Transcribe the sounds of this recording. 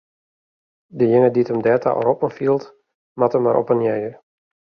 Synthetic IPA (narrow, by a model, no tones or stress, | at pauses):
dəjɪŋəditəmdɛːta̰ʔɔ̰ɾɔpənfiəlˠt | matəmːaɾʔɔ̰pənjɛjər